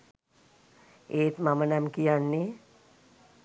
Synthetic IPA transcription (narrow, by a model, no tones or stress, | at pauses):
eːt̪mamənamkijanːe